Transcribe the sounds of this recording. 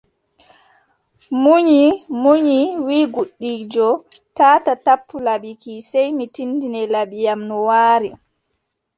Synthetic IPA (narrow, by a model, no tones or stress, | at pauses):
muɲimuɲiwiːɡuɗːiːd͡ʒɔ | taːtatapʰːulaɓikisɛjmitindinɛlabijamnɔwaːɾi